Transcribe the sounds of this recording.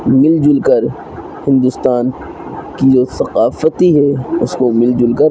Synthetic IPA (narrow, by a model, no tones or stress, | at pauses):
mɪld͡ʒʊlkəɾ | hɪ̃nd̪ʊst̪aːn | kid͡ʒoːsɐqaːfət̪iɦɛʊskomɪld͡ʒʊlkəɾ